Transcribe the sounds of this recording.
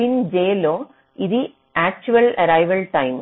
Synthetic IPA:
ind͡ʑeːloː | iðɨ | æːk̚t͡ɕuʋɐlɐ̰ɾɐjʋɐlʈɐjm

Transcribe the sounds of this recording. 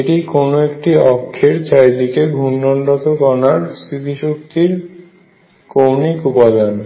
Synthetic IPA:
eʈikonoekʈiɔkʰːeɾt͡ɕʰajd̪ikeɡʱunːɔɳɖɔt̪okɔnaɾsɾit̪iʃok̚t̪iɾ | kownikupad̪an

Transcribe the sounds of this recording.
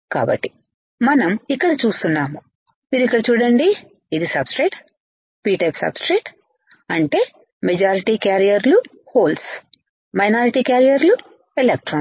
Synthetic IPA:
ka̰ːbɐ̰ʈːi̥ | mɐnɐmikːɐɽɐt͡ʃuːst̪unːaːmu | miːɾuikːɐɽɐt͡ʃuːɽɐɳɖi | id̪isɐbsʈɾeːʈ | piːʈɐpsɐ̰bsʈɾeːʈ | ɐɳʈe̞ː | med͡ʒaːɾiʈikaːɾijɐɾlu | hoːls | mɐjnaːɾiʈiːkaːɾijɐɾlu | elek̚ʈɾoː

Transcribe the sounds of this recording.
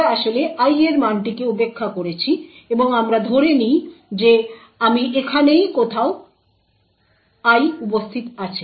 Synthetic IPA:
aʃoleʔajeɾmanʈikeupekʰːakoɾet͡ɕʰi | eboŋamɾad̪ʱoɾenijd͡ʑe | amiʔekʰanejkot̪ʰao | ajupost̪ʰit̪at͡ɕʰe

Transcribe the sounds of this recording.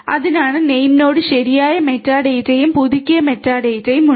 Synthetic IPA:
ɐðinaːɳɨne̞jmno̞ːɽɨɕɐɾijaːjɐme̞tːaːɽejtːɐjumpuðikʲːujɐme̞tːaːɽejtːɐjumːu

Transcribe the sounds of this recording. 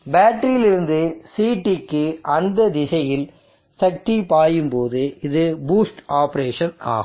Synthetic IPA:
baːʈːɐɾijɪlɪɾɯnd̪ɯsiːʈːɪkːɯʔɐnd̪ɐd̪ɪsɐjɪl | sɐk̚ʈipaːjɯmpoːðɯɪðɯbuːsʈaːpɐɾeːʂɐna̰ːɣɯ

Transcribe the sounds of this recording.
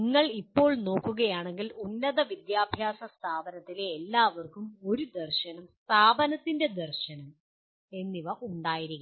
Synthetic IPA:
iŋːɐɭipːo̞ːɭno̞ːkːuɣɐjaːɳe̞ŋɡilunːɐðɐʋid̪jaːbʱjaːsɐst̪ʰaːbɐnɐt̪ːileːlːaːʋɐrkumo̞ɾud̪ɐrɕɐnɐmst̪ʰaːbɐnɐt̪ːinde̞d̪ɐrɕɐnɐm | e̞nːiʋɐʔuɳɖaːjiɾikː

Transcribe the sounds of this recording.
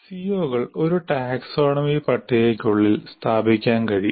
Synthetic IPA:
sijoːɣɐɭo̞ɾuʈaːkso̞ːɳɐmipɐʈʰːijekːuɭːilst̪ʰaːbʱikʲːaːnkɐɻi

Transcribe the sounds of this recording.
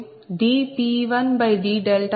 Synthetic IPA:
ɖ̪iːt̪iːʋɐnbɐjd̪iːɖelʈ

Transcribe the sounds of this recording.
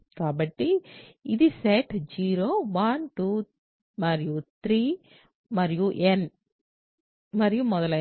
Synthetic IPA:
kaːbɐʈːiɪd̪iseʈd͡ʒiːɾoːʋɐnʈuː | mɐɾijut̪ɾiː | mɐɾijuʔɛn | mɐɾijumɔðɐl

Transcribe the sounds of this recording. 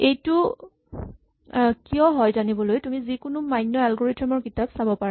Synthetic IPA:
ejtʊ | kijɔɦɔjzanibɔlojtumizikʊnʊmajnːɔɛlɡoɹetɔmɔɹkitapsabɔpaɹa

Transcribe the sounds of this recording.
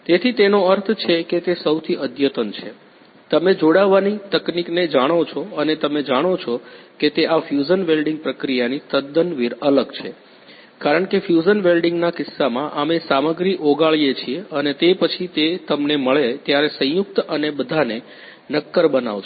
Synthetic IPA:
t̪et̪ʰit̪enoəɾt̪ʰt͡ʃʰeket̪esəwt̪ʰiʔəd̪jət̪ənt͡ʃʰe | t̪əmẽd͡ʒoɽaʋːanit̪əknikned͡ʒaɽ̃ot͡ʃʰoənet̪əmed͡ʒaɽ̃ot͡ʃʰoket̪eafjud͡ʒənʋelɖiŋɡ̚pɾəkɾijanist̪əd̪ənʋiɾələɡt͡ʃʰḛ | kaɾəɳkefjud͡ʒənʋelɖĩŋɡnakɪsːamãʔamesaməɡɾiʔoɡaɭjet͡ʃʰieənet̪epət͡ʃʰit̪et̪əmneməɭet̪jaɾesə̃juk̚t̪ənebəd̪ʱane | nəkːəɾbəna̰ʋt͡ʃ

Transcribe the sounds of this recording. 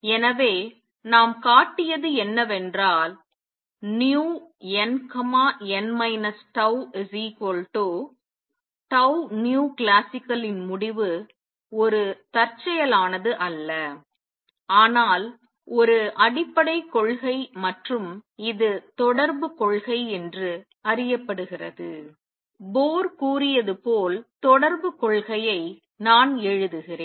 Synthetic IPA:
ɛnɐʋeː | naːmkaːʈːɪjɐðɯɛnːɐʋɛndraːl | njuːɛnkɐmaːɛnmɐɪnɐsʈɐʊsiːkoːlʈoː | ʈɐʊnjuːklaːsɪkːɐlɪnmʊɽɪʋɯ | ɔɾɯt̪ɐɾt͡ʃːɐjɐlaːnɐðɯʔɐlːɐ | aːnaːl | ɔɾɯʔɐɽɪpːɐɽɐɪkːɔɭɣɐɪmɐʈrɯmɪðɯt̪ɔɽɐɾbɯkɔɭɣɐɪɛndrɯ | ɐɾɪjɐpːɐɽɯɣɪrɐðɯ | boːɾkuːrɪjɐðɯpoːlt̪ɔɽɐɾbɯkɔɭɣɐjɐɪ | naːnɛɻɯðɯɣɪreː

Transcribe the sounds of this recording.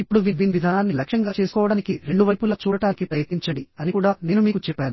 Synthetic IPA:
ipːuɽuʋiːʋiːniʋid̪ʱaːnaːnːilɐkʂjɐŋɡaːt͡ʃe̞ːsu̥kɔːʋɐɽaːnikiɾe̞ɳɖuʋɐjpulɐt͡ʃuːɽɐʈaːnikipɾɐjɐt̪niɲt͡ʃɐɳɽɖiɐnikuːɽaːneːnumiːkut͡ʃɛpːaːnu

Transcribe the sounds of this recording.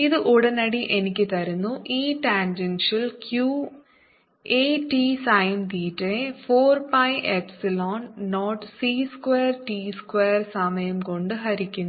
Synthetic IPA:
iðɨʔuɽɐnɐɽiʔe̞nikʲːɨt̪ɐɾunːuʔiːʈendenʂilkjuː | eːʈisɐjnt̪iːtːefoːrpɐjʔepsiloːnnoːʈsiːskweːrʈiːskweːrsɐmɐjɐmko̞ɳɖɨɦɐɾikʲːunːu

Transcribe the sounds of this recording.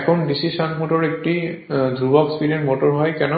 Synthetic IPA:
ɛkʰɔndisisanmotɔɹek̚ti | dʱubɔekspiɾiɔnmotɔɹɦɔjkɛnɔ

